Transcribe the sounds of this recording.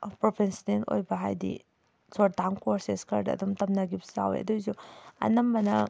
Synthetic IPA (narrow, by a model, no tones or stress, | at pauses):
pɾopʰensdeno̰jbɐɦajdḭ | sʰoɾ̚daŋkoɾseskʰɐɾdɐ̰dumtɐmnɐɡipsa̰wḛɐ̰dojzuɐ̰nɐmbɐnɐ